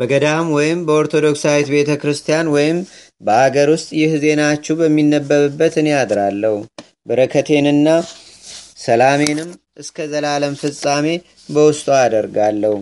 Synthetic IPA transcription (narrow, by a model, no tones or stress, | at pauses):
b̥əɡəd̪amwɔjɪmbəo̞ɾt̪ʰo̞d̪o̞ksawet̪be̞t̪ʰəkɾɨst̪ʰijanwɔjɪm | bəʔaɡəɾwʊst̪ʼjɪhze̞nat͡ʃːɛwbəmːinːəbːəɾɨbːət̪ɨnejad̪ɾalːəhu | bɨɾəkʰət̪ʰe̞nɨnːa | səlame̞nɨm | ʔɨskʰəzəlaləmfɨsʼame̞ | bəwʊst̪ʼoad̪əɾɡalːəhu